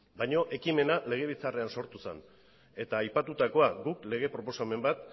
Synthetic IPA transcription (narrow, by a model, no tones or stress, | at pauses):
bajɲo̞ʔe̞kime̞nale̞ɣ̞e̞β̞it͡sare̞anso̞ɾt̪use̞̰n | e̞t̪aːjpat̪ut̪ako̞aɡukle̞ɣ̞e̞pɾo̞po̞same̞mbat̪